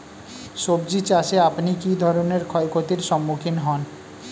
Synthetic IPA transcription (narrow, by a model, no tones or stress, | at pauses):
ʃob̚d͡ʑit͡ɕaʃeapnikid̪ʱɔɾoneɾkʰɔekʰot̪iɾʃɔmːukʰinɦɔn